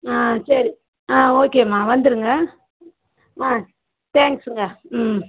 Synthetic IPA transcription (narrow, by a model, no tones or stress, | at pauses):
aːsɐɾi | ãːoːkeːmaːʋɐnd̪ɯɾɯŋɡɐ | aː | t̪ɛːŋksɯŋɡɐm